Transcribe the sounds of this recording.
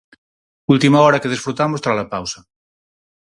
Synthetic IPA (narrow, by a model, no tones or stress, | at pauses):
ult̪imaɔɾakeð̞esfɾut̪amost̪ɾazlapawsa